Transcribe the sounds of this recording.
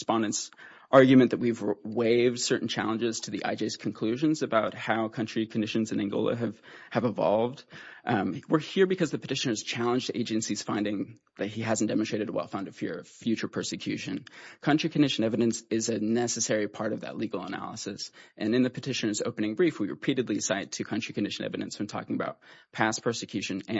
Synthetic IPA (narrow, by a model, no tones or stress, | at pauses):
spɑ̃ndɨ̃nts | ʔɑɹɡjɨmɨ̃nðɨt̚wivweɪvd̥sɜ˞ʔn̩t͡ʃʰæ̰lˠə̃nd͡ʒɪz̥tʰɨðiʔa̰ɪd͡ʒeɪz̥kʰn̩kʰl̥ʉʒɨ̃nzɨbaʊt̚haʊkʰʌ̃nt͡ʃɹ̥ikʰɨ̃ndɪʃɨ̃nzɨ̃nɨ̃ŋɡo̰ʊlˠə̰ɨv̥ɨvəvɑ̰lˠvd̚ | wɪ˞hiɹbɨkʰʌzðɨpʰɨtʰɪʃɨ̃nə˞z̥t͡ʃʰælˠə̃nd͡ʒdḛɪd͡ʒɨ̃nsiz̥fãɪ̃ndɪ̃ŋ | ðɨt̚iɦæzn̩d̥ɛm̃nsɹ̥eɪɾɨɾəwɛ̰lˠfãʊ̃ndʌ̥fɪɹʌv̥fjʉt͡ʃə˞pʰɜ˞sɨkʰj̥ʉʃɨ̃nkʰʌ̃nt͡ʃɹ̥ikʰɨ̃ndɪʃɨ̃nɛvɨɾɨ̃nsɪzɨnɛsɨsɛɹipʰɑɹɾʌvðɨ̰tˡliɡl̩ˠə̰næ̰lˠəsɨsʔɨ̃nɨ̃nðɨpʰɨtʰɪʃɨ̃nə˞zoʊpɨ̃nɪ̃ŋbɹifwiɹɨ̰pʰiɾɨdˡliɨsaɪd̚tʰɨkʰʌ̃nt͡ʃɹ̥ikʰɨndɪʃɨ̃nʔɛ̰vɨɾɨ̰̃nswɨ̃ntʰɔ̰kɪ̃ŋəbaʊt̚pʰæspʰɜ˞sɨkʰj̥ʉʃɨ̃nɨ̃